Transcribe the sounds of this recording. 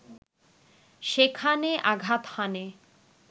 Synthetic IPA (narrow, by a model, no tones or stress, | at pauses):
ʃekʰaneʔaɡʱat̪hane